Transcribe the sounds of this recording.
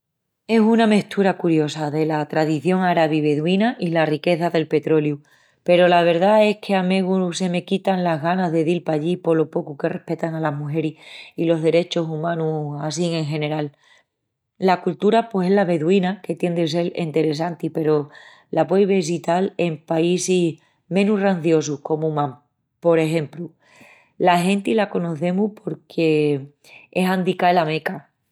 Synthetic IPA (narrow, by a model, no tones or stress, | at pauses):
e̞suname̞ht̪ʰuɾakuɾjo̞saðe̞lat̪ɾaðiθjo̞ŋaɾaβiβ̞e̞ðwinaʔilarike̞θaðe̞lpe̞t̪ɾo̞lju | pe̞ɾo̞laβ̞e̞ɾðae̞hkʰe̞ameɣuse̞me̞kit̪anlaɦɣanaðe̞ðilpaʎipo̞lo̞po̞kuke̞re̞hpe̞t̪aŋalaɦmuɦe̞ɾihilo̞ɦðe̞ɾe̞t͡ʃo̞sumãnuas̬iŋẽ̞ŋxe̞ne̞ɾal | lakult̪uɾapwe̞se̞laβe̞ðwinake̞t̪je̞nd̪es̬e̞lḛnt̪e̞ɾe̞sant̪ipe̞ɾo̞ | lapwejβes̬it̪ale̞mpaisih | mẽ̞nuranθjo̞suko̞mumãm | po̞ɾe̞ɦẽ̞mplu | laɦe̞nt̪ilako̞no̞θe̞muhpʰo̞ɾkʰe̞ | e̞sand̪ikaelame̞ka